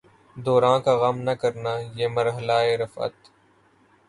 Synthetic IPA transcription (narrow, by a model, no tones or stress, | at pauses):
d̪ɔːɾãːkaɣɐmnɐkəɾnajeːmɐɾɦəlaːeːɾɐfə̰t̪